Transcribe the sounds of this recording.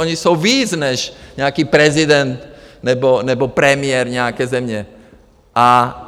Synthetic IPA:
ɔɲisowʋiːd͡znɛʃɲɛakiːpɾɛzid̪ɛnt̪nɛbɔnɛbɔpɾɛmɪɛɾɲɛakɛːzɛmɲɛ | ʔa

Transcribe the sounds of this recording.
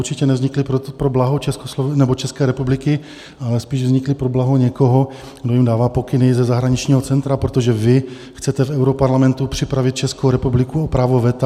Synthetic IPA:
uɾt͡ʃɪcɛnɛvzɲɪklɪpopɾoblaɦot͡ʃɛskoslovnɛbo̞t͡ʃɛskɛːɾɛpublɪkɪ | alɛspiːʒvzɲɪklɪpɾoblaɦoɲɛkoɦo̞ | ɡdo̞jimdaːvaːpo̞kɪnɪzɛzaɦɾaɲɪt͡ʃɲiːɦo̞t͡sɛnt̪ɾapɾot̪o̞ʒɛvɪ | xt͡sɛt̪ɛfɛwɾopaɾlamɛnt̪upr̝̥ɪpɾavɪt̪̚t͡ʃɛskowɾɛpublɪkuopɾaːvo̞vɛt̪a

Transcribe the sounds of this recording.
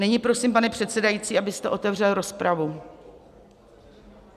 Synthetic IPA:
nɛɲɪpɾo̞simpanɛpr̝̥ɛt̪sɛdajitt͡siːʔabɪst̪ɛʔo̞t̪ɛvr̝ɛlɾo̞spɾavu

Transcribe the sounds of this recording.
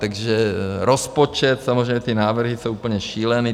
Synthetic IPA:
t̪aɡʒɛɾospot͡ʃɛt̪samozɾɛjmɲɛt̪inaːvr̩ɦisowupl̩ɲɛʃiːlɛni

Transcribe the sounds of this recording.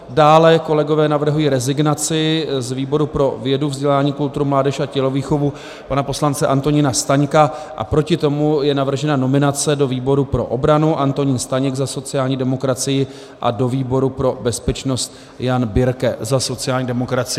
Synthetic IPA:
daːlɛko̞lɛɡo̞vɛːnavr̩ɦujiːɾɛzɪɡnat͡sɪzviːbo̞ɾupɾo̞vjɛduvzɟɛlaːɲiːkult̪uɾumlaːdɛʃacɛlo̞viːxo̞vu | panapo̞slant͡sɛʔant̪o̞ɲɪnast̪aɲkaʔa̰pɾo̞cɪt̪o̞mujɛnavr̩ʒɛnano̞mɪnat͡sɛdo̞viːbo̞ɾupɾo̞̰ʔo̞bɾanuʔant̪o̞ɲɪnst̪aɲɛɡzaso̞t͡sɪaːlɲiːdɛmo̞kɾat͡sɪjɪ | ʔa̰do̞viːbo̞ɾupɾo̞bɛspɛt͡ʃno̞st̪ | janbɪɾkɛzaso̞t͡sɪjaːlɲiːdɛmo̞kɾat͡sɪ

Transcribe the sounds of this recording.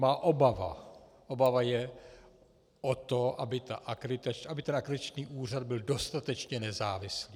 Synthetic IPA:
maːʔobava̰ | ʔobavajɛ | ʔot̪oʔabɪt̪a̰ʔakɾɪt̪at͡ʃʔabɪt̪ɛnʔakɾɪt̪at͡ʃniːʔuːr̝ad̪̚bɪldo̞st̪at̪ɛt͡ʃɲɛnɛzaːvɪsliː

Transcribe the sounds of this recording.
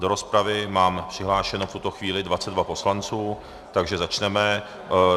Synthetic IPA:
doɾospɾavɪmaːmpr̥ɪɦlaːʃɛnoft̪ut̪o̞xviːlɪdvat͡sɛd̪vapo̞slant͡suː | t̪aɡʒɛzat͡ʃnɛmɛ

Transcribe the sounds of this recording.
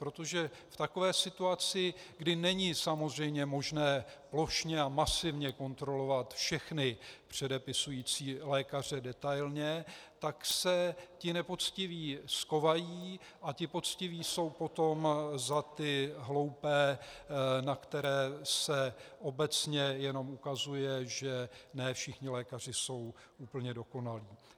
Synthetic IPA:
pɾo̞t̪o̞ʒɛft̪ako̞vɛːsɪt̪uat͡sɪɡdɪnɛɲiːsamo̞zr̝ɛjmɲɛmo̞ʒnɛːplo̞ʃɲɛamasɪvɲɛko̞nt̪ɾo̞lo̞vat̪fʃɛxnɪpr̝̥ɛdɛpɪsujiːt͡siːlɛːkar̝ɛdɛt̪ajlɲɛt̪aksɛcɪnɛpo̞t͡scɪviːsko̞vajiː | ʔacɪpo̞t͡scɪviːso̞wpo̞t̪o̞mzat̪ɪɦlo̞wpɛː | nakt̪ɛɾɛːsɛʔo̞bɛt͡sɲɛjɛno̞mukazujɛʒɛnɛːfʃɪxɲɪlɛːkar̝ɪso̞w | ʔuːpl̩ɲɛdo̞ko̞naliː

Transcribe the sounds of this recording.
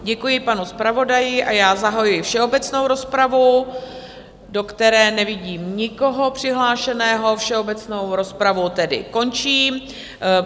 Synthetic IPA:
ɟɛkujɪpanuspɾavo̞dajɪʔajaːzaɦajujɪfʃɛo̞bɛt͡sno̞wɾo̞spɾavu | do̞kt̪ɛɾɛːnɛvɪɟiːmɲɪko̞ɦo̞pr̝̥ɪɦlaːʃɛnɛːɦo̞fʃɛo̞bɛt͡sno̞wɾo̞spɾavut̪ɛdɪ̰ko̞nt͡ʃiːm

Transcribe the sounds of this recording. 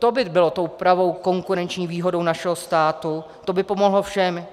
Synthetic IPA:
t̪obɪbɪlo̞t̪owpɾavo̞wko̞ŋkuɾɛnt͡ʃɲiːviːɦo̞do̞wnaʃɛɦost̪aːt̪u | t̪obɪpo̞moɦlofʃɛm

